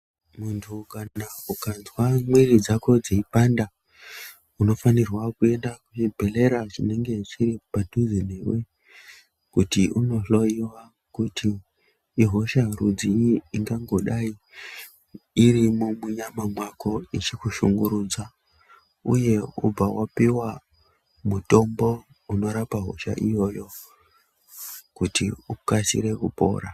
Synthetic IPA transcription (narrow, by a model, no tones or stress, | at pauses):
muntʰukaaukanzwamwirid͡zako̞d͡zeipanda | uno̞fanirwakue̞ndakut͡ʃibʱe̞le̞ɾaʐine̞ŋɡe̞t͡ʃiɾipadʱud͡zineːwe̞ | kutiʔuno̞ɬo̞iwa | kutʰiː | ɦo̞ʃarud͡ziiŋɡaŋɡo̞ɗai | iɾimumuɲamamwako̞it͡ʃikuʃuŋɡuɾuːd͡za | ṵje̞ṵb͡vawapiwa | muto̞mbo̞ | uno̞ɾapaɦo̞̰ʃa̰ʔḭjo̞ːjo̞ | kutiukasḭɾe̞kupo̞̰ːɾa̰